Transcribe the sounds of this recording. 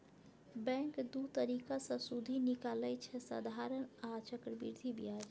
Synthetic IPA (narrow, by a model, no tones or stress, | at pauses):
bɛ̃ŋkd̪ut̪əɾikasə̃sud̪ʱinikalɛt͡ʃʰɛsə̰d̪ʱaɾənat͡ʃəkɾbiɾd̪ʱibijad͡ʒ